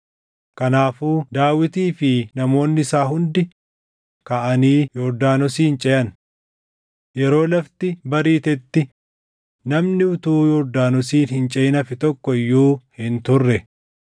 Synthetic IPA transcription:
kɐnaːfuːd̪aːwɪt̪iːfɪnɐmo̞ːnːɪɪsaːɦʊnd̪ɪ | kɐʔɐniːjɔɾd̪aːnɔsiːnt͡ʃʼɛjɐn | jɛɾo̞ːlɐft̪ɪbɐɾiːt̪ɛt̪ːɪ | nɐmnɪʊt̪uːjɔɾd̪aːnɔsiːnhɪnt͡ʃʼɛjɪnɐfɪt̪ɔkːɔɪjːuːhɪnt̪ʊrːɛ

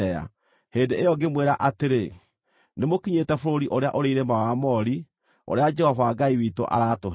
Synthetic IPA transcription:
ɛa̰ | heːndeejɔɡemweɾaʔateɾe | nemokiɲetɛfoɾoɾiʔoɾeaʔoɾeiɾemawamɔɾi | o̰ɾead͡ʒɛhɔvaːɡaiwiːto̰ʔa̰ɾatoɦ

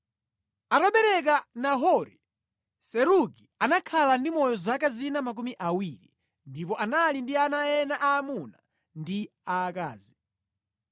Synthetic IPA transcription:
aɾaɓɛɾɛk̬anaɦɔɾi | sɛɾukianakʰalandimɔjɔzakazinamak̬umiʔawiɾḭ | ndipɔʔanalindianajɛnaʔaːmuna̰ | ndi | aːka̰ːzi

